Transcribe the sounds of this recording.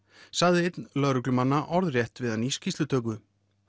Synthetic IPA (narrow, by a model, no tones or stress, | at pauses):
saɣðɪejt̪nlœɾʏklʏmanːaʔɔɾðrjɛht̪vɪðaniscist̪ʏt̪ʰœːkʏ